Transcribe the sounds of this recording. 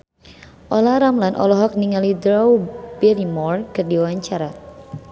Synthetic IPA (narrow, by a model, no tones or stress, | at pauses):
ʔɔlaɾamlanʔɔ̰lɔɦɔk̚niŋalidɾɔwbɛɾimɔrkɨrdiuwaɲt͡ʃaɾa